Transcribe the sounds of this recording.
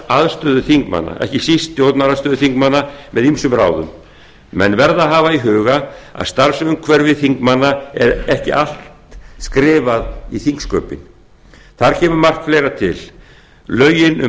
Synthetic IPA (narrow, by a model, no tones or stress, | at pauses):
aðst̪œːðʏθiŋkma̰nːa̰ʔɛ̰hcɪsist̪jowt̪naɾast̪œːðʏθiŋkmanːamɛðimsʏmɾa̰ːwðʏm | mɛnvɛɾðaɦaːvaiɦʏːɣaa̰ðst̪aɾsʏʏmkʰvɛɾvɪðθiŋkmanːaɛ̰ɾɛhcɪ̰ʔal̥t̪skɾɪːvaðiθiŋkskœːpɪ̰n | θaɾ̥cʰɛːmʏmar̥k̪fleːjɾat̪ʰɪl | lœːɥjɪnʏ